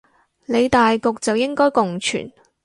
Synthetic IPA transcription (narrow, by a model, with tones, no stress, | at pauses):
le˨˧jt̪aː˨jkʊ˨˧k̚t͡sɐ˨wjɪ˥ŋkɔː˥jkʊ˨ŋt͡ʃʰy̰ː˨˩n